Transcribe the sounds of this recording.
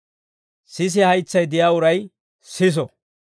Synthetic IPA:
sɪs̬ɪhɐjt͡sːɐjd̪ɪjaːʊɾɐj | sɪs̬ɔ

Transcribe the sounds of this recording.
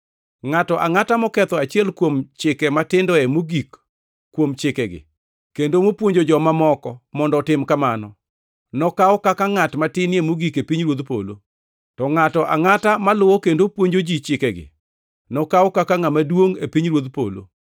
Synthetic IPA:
ŋatɔʔaŋatamɔkɛt̪ɔat͡ʃiɛlkwomt͡ʃɪkɛmatɪndɔɛmoɡikː | womt͡ʃɪkɛɡɪ̰ | kendomopwoɲd͡ʒod͡ʒɔmamɔkɔmɔndɔɔtɪmkamanɔ | nɔkaɔkakaŋatmatɪniemoɡikepiɲɾwod̪po̰lo̰ | tɔŋatɔʔaŋatamalʊwɔkendopwoɲd͡ʒod͡ʒit͡ʃɪkɛɡɪ̰ | nɔkaɔkakaŋamadwoŋḛpiɲɾwod̪po̰lo̰

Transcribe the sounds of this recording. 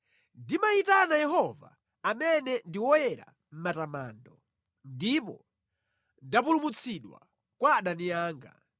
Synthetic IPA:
ndimaitanajɛɦɔva̰ː | mɛnɛndiwɔjɛɾa̰ | m̩matama̰ːndɔ | ndipɔ | ndapulumut͡sʰiɗwa̰ | kwaːɗanijaːŋɡa̰

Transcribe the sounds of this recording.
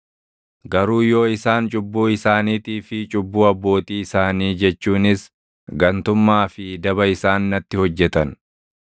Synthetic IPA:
ɡɐɾuːjo̞ːɪsaːnt͡ʃʼʊbːuːɪsaːniːt̪iːfɪt͡ʃʼʊbːuːɐbːo̞ːt̪iːɪsaːniːd͡ʒɛt͡ʃːuːnɪs | ɡɐnt̪ʊmːaːfɪd̪ɐbɐɪsaːnːɐt̪ːɪhɔd͡ʒːɛt̪ɐn

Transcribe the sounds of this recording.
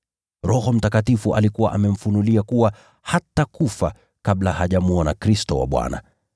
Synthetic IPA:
ɾɔhɔm̩takatifuʔa̰likuwa̰ʔamɛm̩funuliakuwa | hatakufa | kaɓlahaʄamuɔnakɾistɔwa̰ɓwa̰na̰

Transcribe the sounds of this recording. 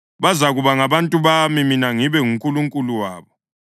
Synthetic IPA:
βazaɣuβaŋaβantʼuβamiminaŋiβɛŋuŋkʼuluŋkʼuluwa̰ːβɔ

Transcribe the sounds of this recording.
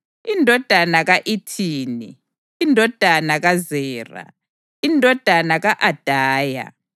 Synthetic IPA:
indʱɔd̥ʱanaɣaʔitʰiːniː | ndʱɔd̥ʱanaɣazɛːra̰ | indʱɔd̥ʱanaɣaʔad̥ʱaːja̰

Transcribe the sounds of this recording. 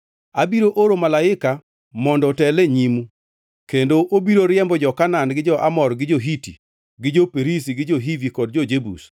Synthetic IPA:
abiɾoʔoɾomalaɪka | mɔndɔtɛleɲimu | kendoʔobiɾoɾɪɛmbɔd͡ʒɔkananɡɪd͡ʒɔʔamɔrɡɪd͡ʒoɦitḭ | ɡɪd͡ʒopeɾis̬iɡɪd͡ʒoɦivikɔd̚d͡ʒɔd͡ʒebṵs

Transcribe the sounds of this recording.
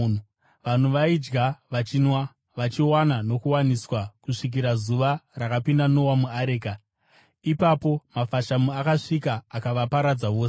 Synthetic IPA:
ʋan̤uʋaid͡ʒɡaʋat͡ʃinwa | ʋat͡ʃiwanano̞kuwaniswakuʂik̬iɾazuʋarakapindano̞wamuaɾeːka | ipapo̞mafaʃamuakaʂikaːkaʋapaɾad͡zaʋo̞ːs

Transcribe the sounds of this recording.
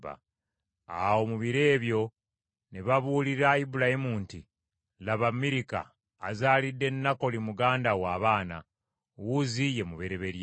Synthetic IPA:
ba̰ | a̰wo̞muβiɾe̞ːβjo̞ | neβaβuːliɾaibulahimuːnti | laβamiɾika̰ː | zaːlidːe̞nːako̞limuɡaːndawaːβaːna̰ | wuzije̞muβe̞ɾe̞βe̞ɾj

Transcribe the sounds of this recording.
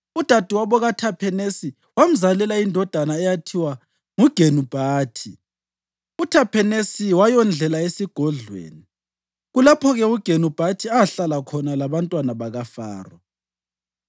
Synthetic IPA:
ud̥ʱad̥ʱuwaβɔɣatʰapʰɛnesi | wam̩zalɛlaindʱɔd̥ʱanaɛjatʰiwa | ŋuɡ̥ʱenub̥ʱaːtʰi | utʰapʰɛnesiwajɔnd͡ɮʱɛlaesiɡ̥ʱɔɮwḛːni | ɣulapʰɔɣɛuɡ̥ʱenub̥ʱatʰiaɬalakʰɔnalaβantʼwanaβaɣafa̰ːrɔ

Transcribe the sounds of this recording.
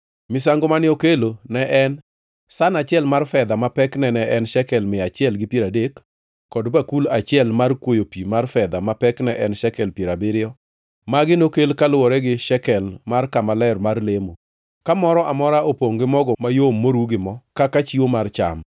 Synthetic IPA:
mɪsaŋɡomanɪokelonɛʔɛn | sanat͡ʃɪɛlmarfɛd̪amapɛknɛnɛʔɛnʃɛkɛlmɪat͡ʃɪɛlɡɪpjeɾadekː | ɔdbakulat͡ʃɪɛlmarkwojopimarfɛd̪amapɛknɛʔɛnʃɛkɛlpjeɾabɪɾɪɔ | maɡɪnokelkalwɔɾɛɡɪʃɛkɛlmarkamalɛrmarlemo | kamɔɾɔʔamɔɾaopoŋɡɪmɔɡɔmajomːoɾuɡɪmɔkakat͡ʃiwomart͡ʃa̰m

